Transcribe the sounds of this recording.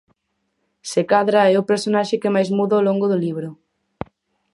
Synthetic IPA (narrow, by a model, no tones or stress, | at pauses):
sekaðɾaɛʊpeɾsonaʃekemajzmuðoloŋɡoðʊliβ̞ɾʊ